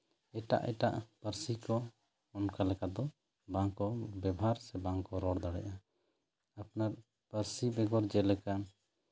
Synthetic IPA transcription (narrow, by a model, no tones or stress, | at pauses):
ɛʈa̰ʔɛ̰ʈa̰ʔpəɾsikɔː | nkalɛkad̪ɔ | bãŋkɔbɛbɦaɾsɛbaŋkɔɾɔɽd̪aɽɛ̰ʔa | ap̚naɾ | pəɾsibɛɡɔɾd͡ʒɛlɛkan